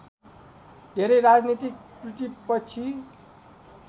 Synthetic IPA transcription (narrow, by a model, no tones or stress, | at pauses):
d̪ʱeɾʌjɾad͡znit̪ik̚ʈriʈipʌt͡sʰi